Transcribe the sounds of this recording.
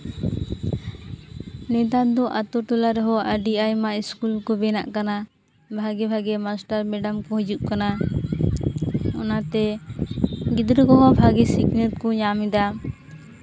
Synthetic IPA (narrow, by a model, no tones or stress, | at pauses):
nɛt̪ad̪ɔʔat̪ɔʈulaɾɔɦɔʔəɖiajmaʔiskulkɔbɛna̰ʔkana | bʱaɡɛbʱaɡɛmasʈaɾmɛɖamkɔɦud͡ʒuʔkana | ɔnat̪ɛ | ɡid̪ɾəkɔɦɔbʱaɡɛsiknət̪̚kɔɲamid̪a